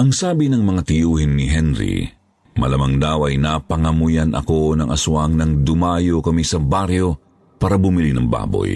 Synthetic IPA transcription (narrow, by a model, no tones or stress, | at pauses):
ʔɐŋsaːbɪnɐŋmɐŋat̪ɪjuːhɪnːɪɦɛnɾḭ | mɐ̰lɐmɐŋd̪awɐjnapɐŋɐmʊjanɐ̰ko̞nɐŋʔɐsʊwaŋnɐŋd̪ʊmaːjokɐmisɐbaɾjo̞ | paːɾɐbʊmɪlinɐŋba̰ːbo̰j